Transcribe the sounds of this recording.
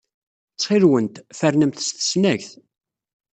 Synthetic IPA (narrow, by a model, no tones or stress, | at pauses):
t͡sːχɪɾwənt̪fæɾnəmθəsθə̥snæçθ